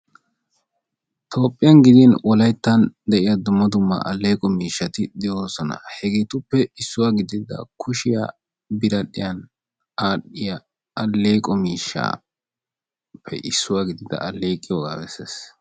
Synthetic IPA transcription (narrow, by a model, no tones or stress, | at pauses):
t̪ʰo̞ːpʼːɪjɐnɡɪd̪inwʔɔlɐjt̪ːɐnd̪ɛʔɪjad̪ʊmːɐd̪ʊmːɐ̰ʔɐlːeːkʼɔmiːʃːɐt̪ɪd̪ɛjoːsɔnɐ̰hɛɡeːt̪ʊpːɛɪsːʊwaɡɪd̪ɪd̪ɐ̰kʰʊʃɪja̰ | bɪɾɐɗɪjɐn | aːɗɪjɐ | ɐlːeːkʼɔmiːʃːa̰ː | pʰːɛ̰ʔɪsːʊwaɡɪd̪ɪd̪ɐ̰ɐlːeːkʼːɪjoɡa̰ːwɛses